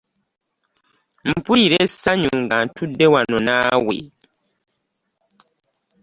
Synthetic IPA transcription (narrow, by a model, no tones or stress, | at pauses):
m̩puiɾɛsaɲuŋɡantudewanɔnawḛ